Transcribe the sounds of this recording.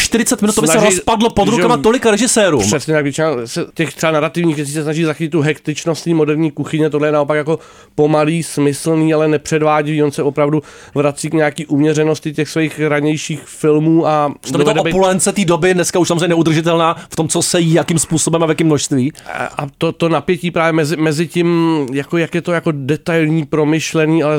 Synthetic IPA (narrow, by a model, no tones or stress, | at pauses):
ʃt̪ɪɾɪt͡sɛt̪mɪnut̪obɪnasɛɾosspadlopod̪ɾukamat̪olɪkaɾɛʒɪsɛːɾumsɛsɲɛt̪akvjɛt͡ʃɪnasɛcɛxt̪r̥ɛbanaɾat̪ɪvɲiːxvjɛt͡siːs̬ɛsnaʒiːzaxɪcɪt̪t̪ːuɦɛkt̪ɪt͡ʃnost̪ɲiːmo̞dɛɾɲiːkuxɪɲɛt̪odlɛjɛnao̞pakjako | po̞maliːsmɪsl̩niːalɛnɛpr̝̥ɛdvaːɟɪviːo̞nsɛo̞pɾavdu | vɾat͡siːkɲaakiːʔumɲɛrɛno̞scɪcɛxsvɛjxɾaɲɛjʃiːxfɪlmuːʔḁd̪ovɛdɛbpulɛnt͡sɛt̪iːdobɪdnɛskauʃsamozɾeɲɛnɛud̪r̩ʒɪt̪ɛlnaːft̪omt͡sosɛjiːjakimspuːsobɛmavjakɪmnoʃst̪viːʔa̰t̪ot̪o̞napjɛciːpɾaːvjɛmɛzɪmɛzɪcɪmjakojakjɛt̪ojako̞dɛt̪ajlɲiːpɾo̞mɪʃlɛniːalɛ